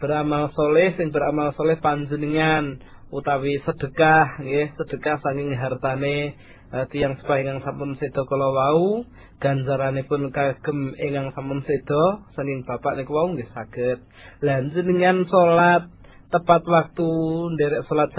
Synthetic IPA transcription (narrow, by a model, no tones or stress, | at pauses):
b̥əɾamalsolɛhsɪŋbəɾamalsolɛhpaɲd͡ʒəniŋan | ut̪awisəd̥ə̤kahŋɡehsəd̥əkahsaŋkɪŋɦart̪ane | ət̪ijaŋsə̥paeŋaŋsamənsed̪̥ɔ̤kɔlowau | ɡ̥a̤ɲd͡ʒaɾanepʊnkaɡ̥ə̤meŋaŋsampənsed̪̥ɔsaŋkɪŋb̥apaʔnikwauŋɡəsaɡ̥ət̪̚ | laɲd͡ʒəniŋansolat̪̚ː | əpat̪wak̚t̪undɛɾɛʔsolat̪̚s